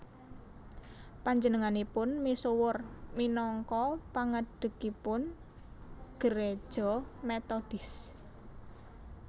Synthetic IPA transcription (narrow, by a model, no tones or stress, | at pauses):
paɲd͡ʒənəŋanipʊnmisuwʊrminɔŋkɔpaŋəɖ̥ə̤kipʊn | ɡ̥əɾe̥ʒ̥ɔ̤met̪ɔd̥ɪs